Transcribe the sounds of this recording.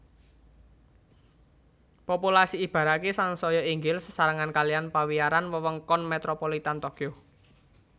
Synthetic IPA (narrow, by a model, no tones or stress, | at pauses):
populasiːb̥ä̤ɾakesaŋsɔjɔiŋɡɪlsə̥saɾəŋankalijanpawijaɾanwəwəŋkɔnmet̪ɾopolit̪ant̪ɔkio